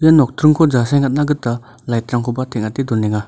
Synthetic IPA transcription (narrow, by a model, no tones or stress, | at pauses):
janɔk̚tʰɾɯŋkʰɔd͡ʒasajŋat̚naɡɯta | lajtɾaŋkʰɔbatʰeŋatidɔɾniŋa